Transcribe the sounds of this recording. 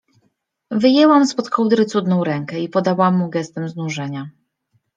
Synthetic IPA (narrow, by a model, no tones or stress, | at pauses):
vɘjɛwamspɔt̪kʰɔwd̪ɾɘt̪sud̪nɔ̃w̃ɾɛŋkɛipɔd̪awamːuɡɛst̪ɛmznuʐɛɲa